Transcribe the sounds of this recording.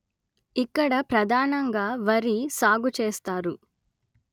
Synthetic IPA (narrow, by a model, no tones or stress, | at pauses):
ikːɐɽɐpɾɐd̪ʱaːnɐŋɡaːʋɐɾisaːɡut͡ʃeːst̪aːɾu